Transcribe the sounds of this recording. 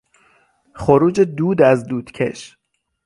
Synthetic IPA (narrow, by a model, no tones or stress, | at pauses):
χoɾuːd͡ʒed̪uːd̪æzd̪uːd̪̥cʰe̞̰ʃ